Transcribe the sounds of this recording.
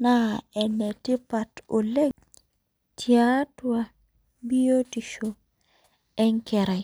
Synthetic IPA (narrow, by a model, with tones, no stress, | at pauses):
na˦ɛ˨ne˨ti˦pa˨to˨le˦ | tʰia˦twa˦ | bi˦jo˦ti˨ʃo˨ | ɛ˦ŋke˨ɾa˨j